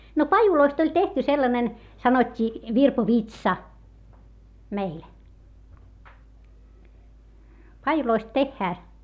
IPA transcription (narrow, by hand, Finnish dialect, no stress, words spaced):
no pɑjuloist olʲ tehty selːɑnen sɑnotʲːiː ʋirpoʋitsɑ meil pɑjuloist tehːæː